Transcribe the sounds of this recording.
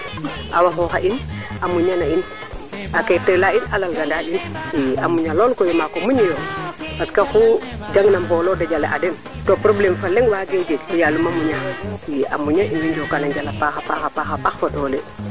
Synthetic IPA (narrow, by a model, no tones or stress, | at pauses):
ʔa̰waxɔxaʔinʔamuɲanain | akɛtɛlainʔalalɡandaɗiniamuɲalɔlkɔjɔmakɔmuɲijɔbaskaxud͡ʒaŋnampɔlɔdad͡ʒalɛʔadɛn | tɔpɾɔblɛmfalɛŋwaːɡɛwd͡ʒeɡjalumamuɲaia̰muɲaʔinmind͡ʒɔkanaɲd͡ʒalapaxapaxapaxapaxfaɗɔːlɛ